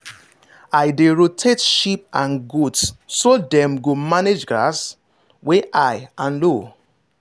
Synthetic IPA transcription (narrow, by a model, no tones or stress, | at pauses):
ajdeɹotʰetʃip̚ãnɡudsːodɛ̃mɡomaned͡ʒɡɾas | weʔajãnlo